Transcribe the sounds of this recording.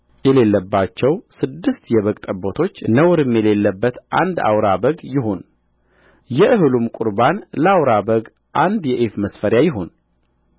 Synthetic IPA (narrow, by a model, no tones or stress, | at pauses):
jɛle̞lːəbːat͡ʃːɛwsɨd̪ːɨst̪jɛβəkʼt̪ʼəbot̪ʰo̞t͡ʃːnəwɾɨmjɛle̞lːəbːət̪ʔa̰nd̪a̰wɾabəɡjɪɦo̞n | jɛʔɨɦɨlumkʼuɾbanləawɾabəɡ | ʔand̪jɛʔefməsfəɾjajɪɦo̞n